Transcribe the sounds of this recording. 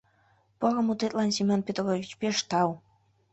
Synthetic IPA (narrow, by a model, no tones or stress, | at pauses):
porə̆mut̪et̪lɑnsimʲonpʲet̪rovʲit͡ɕpeʃt̪ɑw